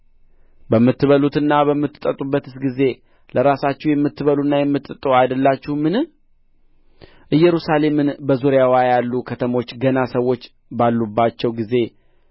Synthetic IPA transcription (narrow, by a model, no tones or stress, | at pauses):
bəmːɨt̪ːɨβəlut̪ɨnːaβəmːɨt̪ːɨt̪ʼət̪ʼubːət̪ɨsɡize̞ | ləɾasat͡ʃːɛhujɛmːɨt̪ːɨβəlunːajɛmːɨt̪ʼɨt̪ʼːoajd̪əlːat͡ʃːuhmɨnɨ | ʔɨjːɛɾusale̞mɨnbəzuɾjawajalːukʰət̪ʰəmo̞t͡ʃːɡənasəwːo̞t͡ʃː | balːubːat͡ʃːɛwɡize̞